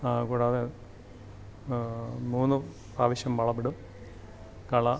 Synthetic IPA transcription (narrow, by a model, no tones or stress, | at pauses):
kuːɽaːðe | muːnːu | praːʋiɕjɐmʋɐɭɐpiɽum | kɐɭɐ